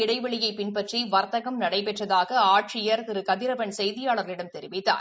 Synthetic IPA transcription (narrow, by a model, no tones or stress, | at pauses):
ɪɽɐɪʋɐɭɪjɐɪpɪnpɐʈriʋɐɾt̪ɐɣɐmnɐɽɐɪpɛʈrɐðaːɣɐaːʈrijɐɾɪɾɯkɐðɪɾɐpɐɳsɛjðɪjaːɭɐɾɐlɪɽɐmt̪ɛɾɪʋɪt̪ːa̰ːɾ